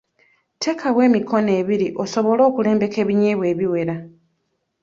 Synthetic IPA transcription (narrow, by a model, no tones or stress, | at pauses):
tʰe̞ːkʰawe̞ːmikʰo̞ne̞ːβiɾiʔo̞so̞βo̞lo̞ːkule̞ːmbe̞ke̞ːβiɲeβwe̞ːβiwe̞ɾa